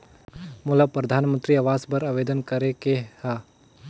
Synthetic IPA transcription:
muləpɾɐd̪ʱaːnmə̃nt̪ɾiɐʋaːzbəɾaʋed̪ənkəɾekeha

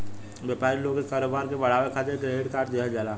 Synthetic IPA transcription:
ʋəpaːɾiloːɡekaːɾoːbaːɾkebɐɽ̤aːʋekʰaːt̪ekɾeːɽkaːɾʈ̚d̪iad͡ʒaːlaː

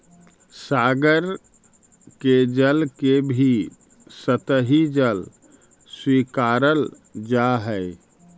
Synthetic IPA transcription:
saɡəɾ | ked͡ʒəlkebʱi | sət̪əɦid͡ʒəl | swikaɾəl | d͡ʒaɦəɪ

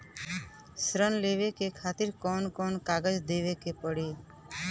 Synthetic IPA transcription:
sɾənleːʋekekʰaːt̪ɪɾkɔːnkɔːnkaːɡəd͡ʒd̪eːʋekepəɽeː

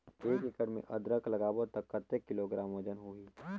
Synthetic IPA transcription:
eːkɪkəɾmḛ̃ʔɐd̪ɾəkʰlɐɡaːʋət̪ɐkːət̪ːekːɪloɡɾaːmod͡ʒənɦuiː

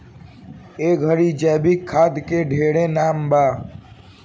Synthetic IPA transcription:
eːɡʱəɾiːd͡ʒɛːbikʰːaːd̪keɖʱeːɽẽːnaːmbaː

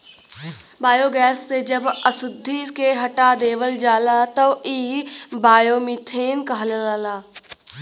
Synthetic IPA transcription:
baːjoːɡɛːsːed͡ʒɐbəsʊd̪ʱːikeɦɐʈad̪eːʋəld͡ʒaːlat̪əiːbaːjomit̪ʰeːnkɐɦlelaːlaː

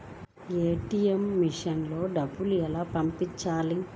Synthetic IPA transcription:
eːʈijemːiʂɐnlo̞ːɖɐbːuluɛlaːpɐmpiɲt͡ʃːaːli

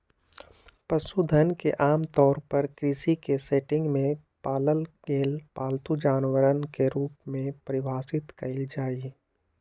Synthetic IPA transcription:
pəsud̪ʱənkeʔaːmt̪ɔːɾpɐɾkɾisikeseːʈɪ̃ŋɡmẽ | paːləlɡeːlpaːlt̪ud͡ʒaːnwəɾənkeɾuːpmẽpɾɪʋaːsɪt̪kɐɪld͡ʒaːi

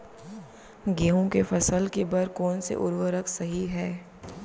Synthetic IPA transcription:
ɡeːɦõkefɐsəlkebɐɾkɔːnsḛʔʊ̰ɾwəɾəksɐɦiɦɛː

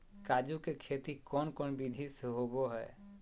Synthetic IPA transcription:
kad͡ʒukekʰet̪ikɔːnkɔːnbid̪ʱisɦoboɦɛ̰ː

